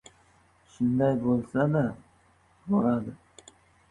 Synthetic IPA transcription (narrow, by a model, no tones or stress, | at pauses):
ʃʊnd̪ajbolˠsad̪a | boɾad̪ɪ